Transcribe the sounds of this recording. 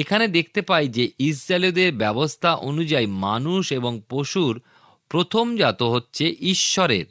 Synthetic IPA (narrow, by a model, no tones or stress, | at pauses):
ekʰaned̪ek̚ʰt̪epajd͡ʑeisɾalod̪eɾbɛbost̪ʰaʔonud͡ʑajmanuʃeboŋpoʃuɾ | pɾot̪ʰomd͡ʑat̪oɦotːɕʰeʔiʃːɔɾḛɾ